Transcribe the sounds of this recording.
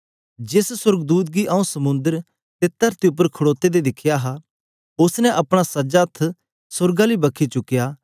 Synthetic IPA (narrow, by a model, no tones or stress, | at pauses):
d͡ʒɪssʊɾɡd̪uːt̪̬̚ɡiʔɐũsɐmʊ̃nd̪əɾ | t̪et̪ɐɾt̪iʊp̬ːəɾkʰʊɽoːt̪ed̪ed̪ɪkʰjaɦa | ʊsnɛ̃ʔɐpɽ̃asɐd͡ʒat̪ʰː | sʊɾɡaliːbɐkʰit͡ʃʊkːɪjaː